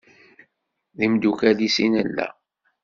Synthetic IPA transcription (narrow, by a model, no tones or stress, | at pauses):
ðimd̪ukælisinəlːæ̰